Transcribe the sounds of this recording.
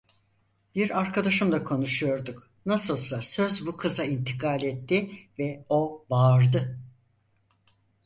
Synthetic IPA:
b̥iɾaɾkʰad̪aʃɯmld̪ˠakʰo̞nuʃujo̞ɾd̪uk | nasɯlˠsasø̞zbukʰɯzaint̪ʰikʰaːlʲɛt̪ʰːivɛo̞baːɾd̪ɯ

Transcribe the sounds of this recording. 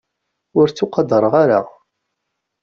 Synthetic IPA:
ʊɾt͡sːuqɑd̪əɾˤʁaɾa̰

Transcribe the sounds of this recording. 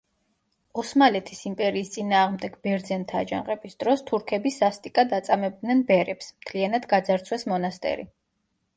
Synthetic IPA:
ɔsmalɛt̪ʰisimpʼɛɾiːst̪sʼinaːʁmd̪ɛɡbɛɾd̪zɛnt̪ʰaːd͡ʒã̰qʼɛbisd̪̥ɾɔst̪ʰuɾkʰɛbisast̪ʼikʼad̪at̪sʼamɛb̚d̪nɛnbɛɾɛpsmt̪ʰlianad̪ɡad̪zaɾt̪sʰwɛsmɔnast̪ʼɛ̰ɾḭ

